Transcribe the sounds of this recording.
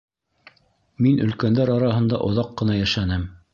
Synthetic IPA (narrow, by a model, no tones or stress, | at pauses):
minʔɵ̆lkænd̪æɾɑɾɑɦɤ̆nd̪ɑ̰ʔŏðɑqːɤ̆nɑjæʃænɘm